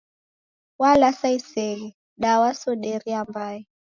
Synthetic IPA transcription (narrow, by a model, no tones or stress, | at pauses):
walasaisɛɣɛ | ɗawasɔɗɛɾiambaɛ